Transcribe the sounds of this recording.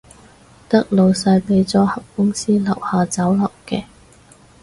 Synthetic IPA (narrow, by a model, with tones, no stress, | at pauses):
t̪ɐ˥k̚lo˨wsɐ˧jpe˨˥jt͡sɔː˨˥hɐ˨p̚kʊ˥ŋsiː˥lɐ˨˩whaː˨t͡sɐ˨˥wlɐ˨˩wkɛː˧